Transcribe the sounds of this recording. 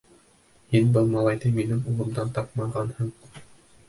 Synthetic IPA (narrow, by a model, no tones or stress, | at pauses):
hinbɤlˠmɑlˠɑjd̪ɤminɘŋulˠɤ̆md̪ɑnt̪ɑp̚mɑʁɑnhɤɴ